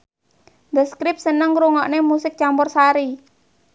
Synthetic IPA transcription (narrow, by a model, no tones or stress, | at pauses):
d̪əskɾɪp̚sənəŋɾuŋɔʔnemusɪk̚t͡ʃambʊrsaɾi